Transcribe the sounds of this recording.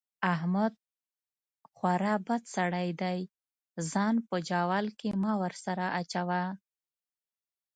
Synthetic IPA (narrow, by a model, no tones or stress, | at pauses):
aɦmad̪̚ | xwaɾabad̪saɽajd̪aj | zɑnpəd͡ʒɑwɑlkemɑwəɾsaɾaʔat͡ʃawa